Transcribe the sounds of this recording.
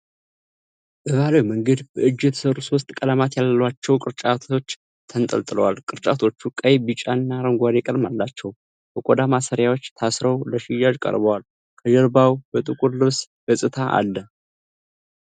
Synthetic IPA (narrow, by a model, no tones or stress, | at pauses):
ʔəɡalojməŋɡəd̪b̥əɨd͡ʒːɛt̪ʰə̥səɾuso̞st̪ʼkʼələmat̪jalːəwat͡ʃːɛwkʼɨɾt͡ʃʼat̪ʰo̞t͡ʃː | t̪ʰənt̪ʼə̰lt̪ʼɨləwalkʼɨɾt͡ʃʼa̰t̪ʰo̞t͡ʃːukʼəjbit͡ʃʼanːaɾəŋɡʷad̪ekʼəlmalːat͡ʃːɛw | bəkʼod̪amasəɾjawo̞t͡ʃːt̪ʰasɾəwləʃɪjaʒkʼə̰ɾbəwal | kʰəd͡ʒəɾbawbət̪ʼɨkʼuɾlɨβs | b̥əsʼɨt̪ʰaʔa̰lːə